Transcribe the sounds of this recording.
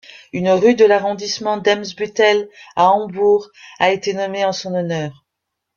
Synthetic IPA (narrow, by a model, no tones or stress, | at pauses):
ynʁyd̪əlaʁɔ̃d̪ismɑ̃d̪ɛmsbyt̪ɛlaɑ̃buʁaet̪enɔmeɑ̃sɔ̃nɔnœːʁ